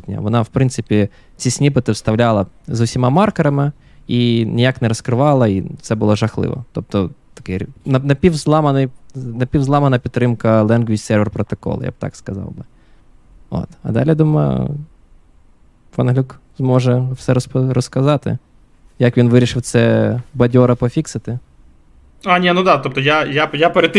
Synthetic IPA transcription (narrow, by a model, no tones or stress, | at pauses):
t̪ʲnʲɐ̰ʋɔnɑwpɾɪnt̪sɪpʲi | t͡sʲisʲnʲipɪt̪ɪwst̪ɐwlʲalˠɐzʊwsʲimɑmɑrkɐɾɐmɪ | inʲijaknɛɾɔskɾɪʋɑlˠɐit̪sɛbʊlˠɔʒɐxlˠɪ̰ʋɔ̰t̪ɔp̚t̪ɔt̪ɐ̥kɪnɐnɐpʲiwzlˠɑmɐnɪjnɐpʲiwzlˠɑmɐnɐpʲit̪t̪ːɾɪmkɐlˠɛnɡʋʲit͡ʃʲsɛrʋɛrpɾɔt̪ɔkɔ̰l̰ˠja̰b̚t̪ɑ̰kskɐzɑ̰wbɪ | o̰t̪ɐ̰d̪ɑlʲijd̪umɐ̰ | fɐnɦlʲukzmɔʒɛwsɛɾɔsprɔskɐzɑt̪ɪ̰ | jɐkʋʲinʋɪɾʲiʃɪwt̪sɛbɐdʲɔɾɐpɔfʲiksɐt̪ɪ | anʲɛnud̪ɑt̪ɔp̚t̪ɔjajajapeɾʲet̪ː